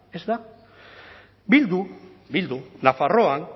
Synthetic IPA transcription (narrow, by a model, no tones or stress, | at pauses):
e̞zd̪a | bild̪ubild̪unafaro̞an